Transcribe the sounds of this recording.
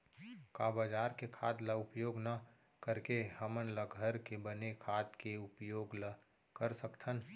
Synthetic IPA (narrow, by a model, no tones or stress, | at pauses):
kaːbəd͡ʒaːɾkekʰaːd̪laʊpjoːɡnə | kəɾkehəmənləɡʱəɾkebənekʰaːt̪keʊpjoːɡla | kəɾsəkt̪ʰən